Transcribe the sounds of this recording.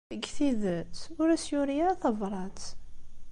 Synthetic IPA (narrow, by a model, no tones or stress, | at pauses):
ɡθiðət̪ʊɾæsjʊɾjaθɑvɾˤɑt̪